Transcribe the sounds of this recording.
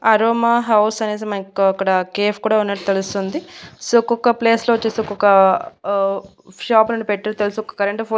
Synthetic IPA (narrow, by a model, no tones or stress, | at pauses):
ɐɾoːmaɦɐwsɐneːsɐmɐikːɐɐkːɐɽɐkeːpʰkuːɽaːunːɐʈːut̪elust̪ond̪isoɔkːɔkːɐple̞ːsloːʋɐt͡ʃːeːseɔkːɔkːɐ | ʂaːpnuɳɖipeʈːɐɾt̪elusuɔkːɐkɐɾɐɳʈɐpʰo